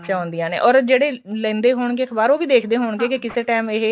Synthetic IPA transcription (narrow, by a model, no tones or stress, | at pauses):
t͡ʃãːõːnd̪ijãːnḛːʔɔːɾd͡ʒeːɽeːlɛ̃ːnd̪eːɦoːɳ̃ɡeːkbaːɾoːʋiːd̪eːkʰd̪eːɦoːɳɡeːkɪkɪseːʈɛːmeɦ